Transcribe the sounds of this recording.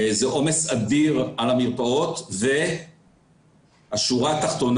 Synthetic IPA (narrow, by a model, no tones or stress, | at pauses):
zeʔo̞mesad̪iʁalamiʁpao̞t̪ve | aʃuʁat̪aχt̪o̞n